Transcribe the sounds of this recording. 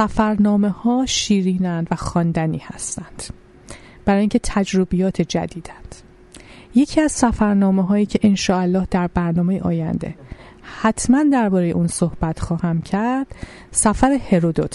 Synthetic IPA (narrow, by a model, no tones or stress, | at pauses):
sæfæɾnɒːme̞hɒːʃiːɾiːnænd̪væxɒːnd̪æniːhæst̪ænd̪̥ | b̥æɾɒːjiŋcʰe̞t̪ʰæd͡ʒɾobijɒːt̪ʰe̞d͡ʒæ̰d̪iːd̪̥ænd̪̥ | je̞cʰiːæz̥sæfæɾnɒːmeɦɒːjiːcʰe̞ʔenʃɒːælːɒːhd̪æɾbæɾnɒːme̞jeʔɒːjæ̰nd̪e̞̰ | hæt̪ʰmænd̪æɾbɒːɾe̞jḛʔuːnsohb̥æt̪ʰxɒːhæmcʰæɾd̪̥ | sæfæɾehe̞ɾod̪ot̪ʰ